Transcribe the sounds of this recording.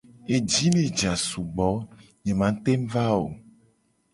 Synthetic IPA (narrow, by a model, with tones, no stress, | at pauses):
e˨d͡ʒi˦nẽ˨d͡ʒa˨su˨ɡ͡bɔ˨˦ | ɲẽ˨mã˨˦t̪e˦m˦va˦o˨